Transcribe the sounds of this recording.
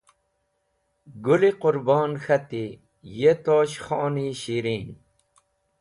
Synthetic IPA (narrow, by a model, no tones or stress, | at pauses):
ɡuliqʊɾboːnxɐt̪i | jet̪oːɕxoːniːɕiɾiːn